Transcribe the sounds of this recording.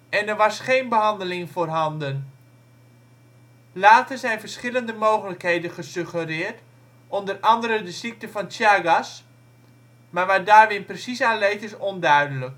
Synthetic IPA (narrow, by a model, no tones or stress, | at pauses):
ɛnərʋɑsχeːnbəɦɑndəlɪŋfoːrɦɑndən | laːtəzɛjnfərsχɪləndəmoːχələkhejdənχəsøχərɪːrt | ɔndərɑndəɾədəsik̚təfɔntjaɡas | marʋadaːrʋɪnprəsisaːnleːtɪsondœɥdələk